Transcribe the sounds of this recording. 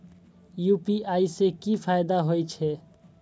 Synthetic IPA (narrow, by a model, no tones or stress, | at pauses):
juːpiaːisekipʰajd̪aɦojt͡ʃʰe